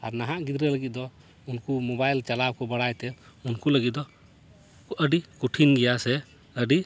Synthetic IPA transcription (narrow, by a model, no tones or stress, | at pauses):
aɾnaɦaʔɡid̪ɾɛləɡit̪̚d̪ɔ | unkumɔbajlt͡ʃalabkɔbəɽajt̪ɛunkuləɡit̪̚d̪ɔ | əɖikuʈʰinɡɛjasɛ | əɖi